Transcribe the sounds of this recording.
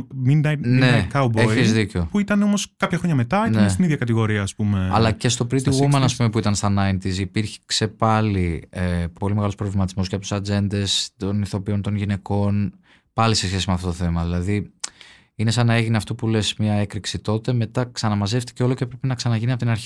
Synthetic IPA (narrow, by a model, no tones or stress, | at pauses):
minnekawbeiizzðiceo̞puit̪ɐneo̞mo̞skɐpçɐxɾo̞ɲɐme̞t̪ɐenessiniðʝɐkɐt̪iɣo̞ɾiɐːspumeɐ̰lɐce̞st̪o̞pɾint̪iɣumenoɐspume̞puit̪ɐnst̪ɐnɐint̪izːpiɾçe̥kse̞pɐliepo̞limeɣɐlospɾo̞vlimɐt̪izmo̞sceɐpot̪sɐd͡ze̞nd̪e̞st̪o̞niθo̞pio̞nt̪o̞nʝine̞ko̞n | pɐlise̞sçe̞simeɐft̪ot̪oθe̞mɐðilɐði | ine̞sɐnɐeʝineɐft̪o̞pule̞smɲɐe̞kɾiksit̪o̞t̪e̞me̞t̪ɐksɐnɐmɐze̞ft̪i̥ceo̞lo̞cepɾe̞pinɐksɐnɐʝiniɐpot̪inɐɾçi